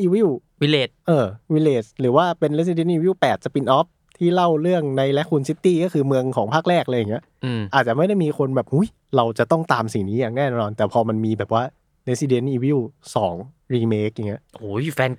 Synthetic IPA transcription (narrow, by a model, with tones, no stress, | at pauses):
ʔiː˧wi˥˩w | wi˧leː˨˩t̪̚ʔɤː˧wi˧leː˨˩t̪̚ɾɯː˩˦waː˥˩pe˧nle˦˥si˧de˦˥nʔiː˧wi˥˩wpɛː˨˩t̪̚sa˨˩pi˧nʔɔː˦˥p̚ | t̪ʰiː˥˩la˥˩wɾɯ˥˩əŋna˧jlɛ˦˥kʰːu˧nsi˦˥t̪ːiː˥˩kɔː˥˩kʰɯː˧mɯ˧əŋkʰɔː˩˦ŋpʰaː˥˩k̚ɾɛː˥˩k̚lɤː˧jaː˨˩ŋi˦˥ɐ | ʔɯ˧mʔaː˨˩t̪̚t͡ɕa˨˩ma˥˩jda˥˩jmiː˧kʰo˧nbɛː˨˩p̚ʔu˦˥˩j | ɾa˧wt͡ɕa˨˩t̪ɔ˥˩ŋt̪aː˧msi˨˩niː˦˥jaː˨˩ŋ̚nɛː˥˩nɛː˥˩nɔː˧nt̪ɛː˨˩pʰɔː˧ma˧nmiː˧bɛː˨˩p̚waː˥˩ | le˦˥si˧de˦˥nʔiː˧wi˥˩wsɔː˩˦ŋ | ɾiː˧meː˦˥k̚ja˨˩ŋːi˦˥ɐʔʔoː˩˦jfɛː˧n